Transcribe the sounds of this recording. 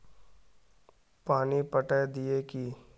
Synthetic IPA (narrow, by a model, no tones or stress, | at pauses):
paːnipəʈəd̪iekiː